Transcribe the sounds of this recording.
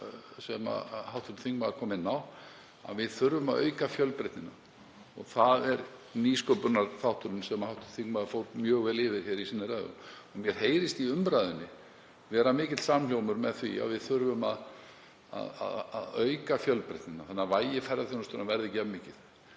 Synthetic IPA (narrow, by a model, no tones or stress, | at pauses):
sɛma̰hawht̪ʰʏmt̪θiŋkmaðɾkʰɔːmɪnːaw | a̰vɪðθʏɾvʏmaðœ̰ːɥkafjœlpɾɛht̪nɪnːa | ɔ̰ɣθaðɛɾniːskopʏnaɾ̥θawht̪ʏɾʏnsɛmahawht̪ʏt̪θiŋkmaðɾfoːwt̪mjœːɣvɛːlɪːvɪɾ̥çɛːɾisinːɪɾaːðʏ̰ɔmjɛɾ̥heːjɾɪst̪iʏmpɾajðʏnːɪ | vɛːɾamɪːcɪt̪samljowmʏɾmɛðθvḭa̰vɪðθʏɾvʏma̰ð | a̰ða̰ða̰ðœɥkafjœlpɾɛ̰ht̪nɪnːaθanːavaːjɪfɛɾðaθjɪnʏst̪ʏɾnavɛɾðɪcɛmɪːcɪθ